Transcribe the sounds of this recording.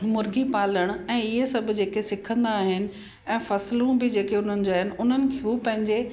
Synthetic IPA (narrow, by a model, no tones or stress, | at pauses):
mʊɾɡipaːləɽ̃ɛ̃ːɪɦesɐbʱʊ̆d͡ʑeːkesɪkʰə̃nd̪aːɦɪnɪ̆ | ɛ̃ːfɐslũbɪd͡ʑeːkeʊn̤ənɪ̆d͡ʑoaːɦɪnɪ̆ʊn̤ənɪ̆kʰeɦupɐ̃ɦɪ̃ɲd͡ʑe